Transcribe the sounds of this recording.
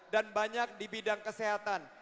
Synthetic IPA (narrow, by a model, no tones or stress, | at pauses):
danbaɲak̚dibidaŋkəseɦat̪an